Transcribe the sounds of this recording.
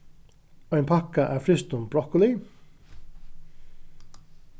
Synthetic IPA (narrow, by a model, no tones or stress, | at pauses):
æɪnpʰɑkɑʔæːɾfɾɪst̪ʊmbɾɔkəlɪ